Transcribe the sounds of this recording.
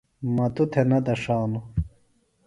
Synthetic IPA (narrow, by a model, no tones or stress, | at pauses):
mɐt̪ut̪ʰenɐd̪ɐʂaːnu